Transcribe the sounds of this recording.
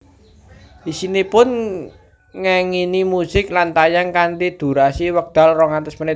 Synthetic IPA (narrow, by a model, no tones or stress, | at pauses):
isinipʊn | ŋaŋinimusɪklant̪ajaŋkant̪id̪̥ṳɾasiwək̚d̪̥a̤lrɔŋant̪əsmənɪ